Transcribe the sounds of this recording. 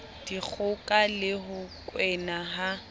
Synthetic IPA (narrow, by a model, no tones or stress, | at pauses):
d̥ik͡xʰʊkʼalɪɦʊkʼwɛnaɦa